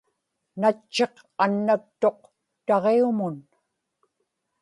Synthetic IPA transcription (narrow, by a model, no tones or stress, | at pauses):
nat͡ʃːe̞q | anːakt̪o̞q̚ | t̪ɑʁeumʊn